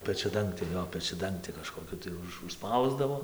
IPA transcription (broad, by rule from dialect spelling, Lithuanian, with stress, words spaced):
pʲɛt͡ʃʲɛˈdɐŋktʲeː ˈjoː pʲɛt͡ʃʲɛˈdɐŋktʲɪ kɐʃkoːˈkʲʊ tɐɪ ˈʊʃ ʊʃˈspɐʊzdɐʋoː